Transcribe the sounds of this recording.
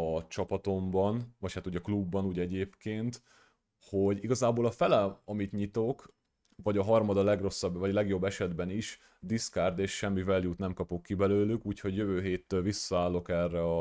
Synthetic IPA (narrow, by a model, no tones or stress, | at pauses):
ɒt͡ʃɒpɒt̪o̞mbɒnvɒchaːt̪uːɟɒklubːɒnuːɟɛɟeːpkeːnt̪ | ho̞ɟiɡɒzaːboːlɒfɛlɛɒmit̪ɲit̪o̞k | vɒɟɒɦɒrmɒd̪ɒlɛɡro̞sːɒbːvɒɟlɛɡjo̞bːɛʃɛd̪bɛniʃ | d̪iskaːrd̪eːʃʃɛmːivɛljut̪nɛmkɒpokːibɛløːlykuːcho̞ɟjøvøːɦeːt̪ːølvisːɒaːlːo̞kɛrːɛɒ